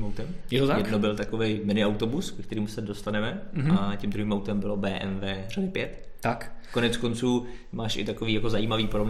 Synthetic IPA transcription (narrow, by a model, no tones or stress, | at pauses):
mawt̪ɛmjɛt̪ot̪ajɛdno̞bɪlt̪akovejmɪnɪawt̪o̞buskɛkt̪ɛɾiːmusɛdo̞st̪anɛmɛacɛmd̪ɾuɦiːmawt̪ɛmbɪlobɛːʔɛnvɛːradɪpjɛt̪ | t̪akko̞nɛt͡sko̞nt͡suː | maːʃɪ̰t̪ako̞viːjako̞zajiːmaviːpoɾob